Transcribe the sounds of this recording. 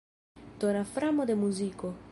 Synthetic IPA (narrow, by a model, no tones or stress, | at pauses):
d̪̥onafɾamod̪emuziko